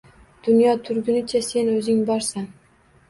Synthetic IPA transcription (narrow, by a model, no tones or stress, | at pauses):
d̪̥ʊnjɒt̪ʰʊɾɡʲɪnɪt͡ʃʰase̞nɵzɪŋbɒɾsan